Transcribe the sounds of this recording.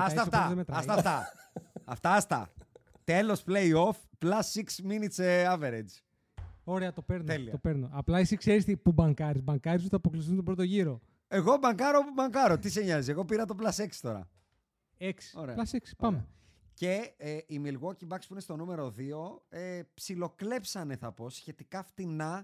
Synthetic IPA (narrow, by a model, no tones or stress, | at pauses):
ɐst̪ɐst̪ɐðemet̪ɾɐɐst̪ɐft̪ɐ | ɐft̪ɐɐst̪ɐ̰ | t̪e̞lo̞spleio̞fplɐsiksminit̪seɐve̞ɾed͡ʒ | oɾeɐt̪o̞pe̞ɾnot̪eliɐt̪opeɾnoɐplɐisikseɾist̪ipubɐŋkɐɾizbɐŋkɐɾis̬uθɐpoklis̬θunt̪obɾot̪oʝiɾo̞ | e̞ɣo̞bɐŋkɐɾo̞pubɐŋkɐɾo̞t̪iseɲɐzieɣo̞piɾɐt̪o̞plɐse̞ksi̥t̪o̞ɾɐ̰ | eksi̥oɾeɐlɐseksi̥pɐme | ce̞imilɣwocibɐkspuinest̪onume̞ɾo̞ðio̞epsilo̞kle̞psɐne̞θɐpo̞sçe̞t̪ikɐft̪inɐ